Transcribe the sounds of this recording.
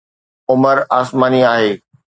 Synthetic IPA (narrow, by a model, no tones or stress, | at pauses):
ʊməɾaːsmaːniaːɦeː